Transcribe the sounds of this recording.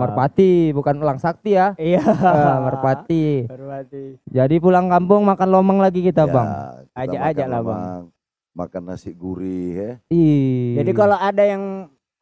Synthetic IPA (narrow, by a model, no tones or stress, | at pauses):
mərpat̪ibukanpulaŋsak̚t̪ijaiamərpat̪it̪id͡ʒadip̬ulaŋkampʊŋmakanlomaŋlaɡikit̪aba̰ŋad͡ʒaʔːd͡ʒaʔlabaŋŋ | ma̰kana̰siɡuɾiɦɛid͡ʒadikaloʔadajaŋ